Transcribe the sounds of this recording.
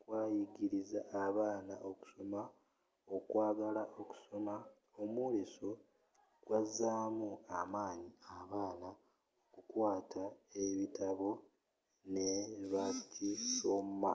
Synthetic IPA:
kwaːjiɡiɾizaːβaːnaʔoku̥so̞ma | o̞kwaːɡalaʔo̞ku̥so̞ma | omwuleso̞ | ɡ̥wazaːmuamaːɲiaβaːna | okukwaːtʰaeβitaβo̞ | neβacisoma̰

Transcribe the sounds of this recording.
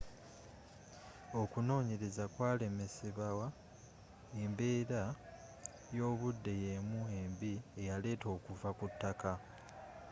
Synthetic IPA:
o̞kuno̞ːɲeɾezakwaːle̞me̞siβawa | e̞mbe̞ːɾa | jo̞ːβudːe̞je̞mue̞mbie̞jale̞ːto̞ːkuvakutːaka

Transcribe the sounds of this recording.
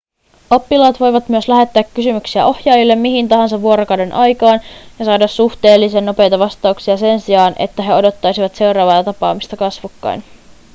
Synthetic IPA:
o̞pːilɑːt̪ʋo̞jʋɑt̪myøslæɦe̞t̪ːæːkːysymyksiæʔo̞hjɑːjilːe̞mmiɦint̪ɑɦɑnsɑʋːuo̞ɾokɑwdenʔɑjkɑːnjɑsɑːdɑsːuht̪eːlːisenːo̞pe̞jt̪ɑʋɑst̪ɑuksiɑse̞nsiɑːnʔe̞̰t̪ːæɦe̞o̞do̞t̪ːɑjsiʋɑt̪se̞wɾɑːʋɑːt̪ɑpɑːmist̪ɑkɑsʋukːɑ̰jn

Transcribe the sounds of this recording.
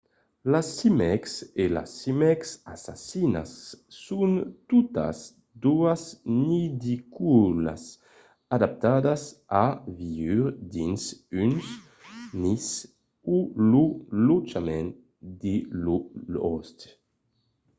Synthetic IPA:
lasːimɛksela̰sːimɛksasa̰sina̰sːunt̪ut̪a̰s | d̪uaznid̪ikula̰s | ad̪ap̚t̪ad̪asaviyɾd̪insyns | nis | ululut͡ʃamɛn | d̪ilulɔ̰st̪

